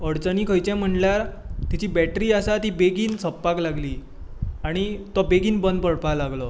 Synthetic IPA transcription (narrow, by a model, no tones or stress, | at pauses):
əɽt͡səniːkʰəjt͡ɕɛ̃m̤əɳljaɾt̪it͡ɕiːbɛʈɾiːasat̪iːbeɡiːnsəpːaklaɡliː | aɽ̃it̪ɔbeɡiːnbənd̪pəɽpalaɡlɔ